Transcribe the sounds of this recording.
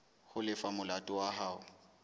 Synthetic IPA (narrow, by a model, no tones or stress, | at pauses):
hʊlɪfamʊlatʼʊwaɦaːʊ